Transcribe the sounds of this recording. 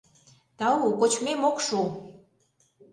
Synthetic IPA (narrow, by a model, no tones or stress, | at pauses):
t̪ɑukot͡ɕmemokʃu